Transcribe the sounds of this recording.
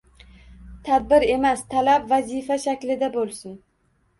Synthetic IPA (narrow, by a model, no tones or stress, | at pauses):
t̪ʰad̪̚bɪɾe̞mast̪ʰalabvazifaʃakʲlɪd̪abolˠsɪn